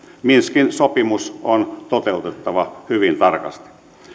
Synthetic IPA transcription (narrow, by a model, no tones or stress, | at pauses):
minskinsopimusont̪ot̪eut̪et̪ːɑʋɑhyʋint̪ɑrkɑ̰st̪i̥